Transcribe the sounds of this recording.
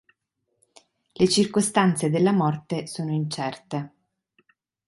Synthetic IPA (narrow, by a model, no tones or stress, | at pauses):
let͡ʃirkost̪ant̪sed̪elːamɔrt̪esoːnoint͡ʃɛrt̪e